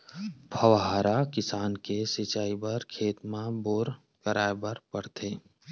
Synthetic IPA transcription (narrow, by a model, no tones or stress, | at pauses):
bʰʱəʋɦaːɾakɪsaːnkesɪt͡ʃaːibɐɾkʰeːt̪mãboːɾ | kəɾaːebɐɾpəɽt̪ʰeː